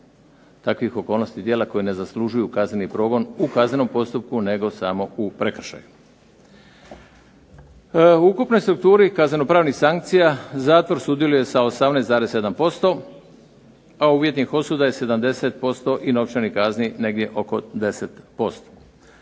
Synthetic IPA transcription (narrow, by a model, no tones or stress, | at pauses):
t̪akʋixo̞ko̞ːlno̞st̪id̪jeːlako̞jine̞zasluʒujukaznenipɾo̞ːɡo̞nukazne̞no̞mpo̞st̪up̚kune̞ɡo̞samo̞upɾekr̩ʃa̰ju | ukupno̞jst̪ɾuk̚t̪uːɾikazneno̞pɾaːʋnixsaŋkt̪sijazaːt̪ʋo̞ɾsud̪je̞luje̞saosamnejsaːɾe̞se̞d̪ampo̞st̪o̞ | auʋjet̪nixo̞suːd̪aje̞se̞d̪amd̪e̞set̪̚po̞st̪o̞ʔino̞ʋt͡ʃanikaznine̞ɡd̪je̞ʔo̞ko̞d̪e̞set̪po̞st̪o̥